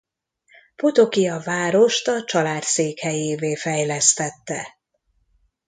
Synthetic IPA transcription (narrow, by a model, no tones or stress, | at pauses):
put̪o̞kijɒvaːɾo̞ʃt̪ɒt͡ʃɒlaːt̪seːkhɛjeːveːfɛjlɛst̪ɛt̪ːɛ̰